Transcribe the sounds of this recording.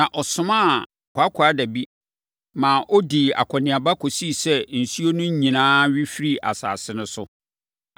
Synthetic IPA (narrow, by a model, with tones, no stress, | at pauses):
nã˨ʔɔ˨sʊ̃˨˦mã˦˨ | kʰʷʊ˨a˦kʰa˦dæ˨bi˦ | mãː˨ʔɔ˦di˨a̰˨kʰɔ˨nɪ̃˨a˨ba˦kʰɔ˨si˦˨sɛ˦n̩˨su˦o˦nʊ̃˦ɲĩ˨nãː˦ɥi˦fi˦ɾi˦ʔa̰˨sa̰ː˨sɪ˦nʊ̃˦sʊ˦